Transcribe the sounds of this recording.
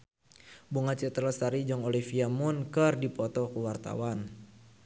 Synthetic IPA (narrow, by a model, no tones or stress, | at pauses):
buŋat͡ʃɛt̪ɾəlst̪aɾid͡ʒɔŋolifiamʊnkərdipɔt̪ɔkuwart̪a̰wan